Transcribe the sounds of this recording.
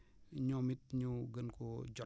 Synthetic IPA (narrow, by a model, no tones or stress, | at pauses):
ɲɔmit̚ɲuɡənkod͡ʒɔ